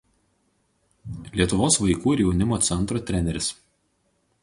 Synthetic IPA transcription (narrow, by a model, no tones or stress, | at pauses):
lʲiɛt̪ʊʋoːsʋɐɪkuːɪɾjɛʊnʲɪmoːt̪sʲɛnˑt̪ɾoːt̪ʲɾʲɛnʲɛɾʲɪs